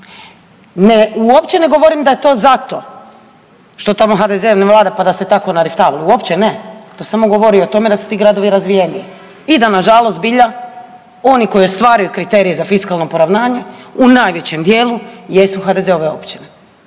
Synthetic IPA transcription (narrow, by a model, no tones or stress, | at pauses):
neuopt͡ɕeneɡo̞ʋo̞ɾimd̪ajet̪o̞ːzat̪o̞ | ʃt̪ot̪amoxad̪ezeʋneʋlˠaːd̪apad̪aset̪ako̞naɾift̪aːʋlˠuuo̞pt͡ɕenet̪o̞samo̞ɡo̞ʋo̞ɾio̞t̪o̞me̞d̪asu̥t̪iːɡɾad̪o̞ʋiɾazʋije̞nie | id̪anaʒalo̞st̪̚biʎa | o̞niko̞io̞st̪ʋaːɾajukɾit̪e̞ːɾijezafiskalˠno̞po̞ɾaʋnaːɲe̞unaːjʋjet͡ɕemd̪jeːlujesuxad̪e̞zeo̞ʋe̞o̞̰pt͡ɕine